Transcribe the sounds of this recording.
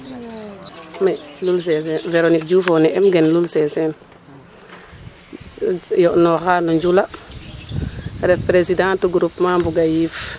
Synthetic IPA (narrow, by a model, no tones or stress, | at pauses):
mɛlulsɛsɛnveɾonik̚d͡ʒufɔnɛʔɛmɡɛnlulsɛsɛn | jɔʔnɔxaloɲd͡ʒula | ɾɛfpɾesidãːntuɡuɾupmambuɡajiːf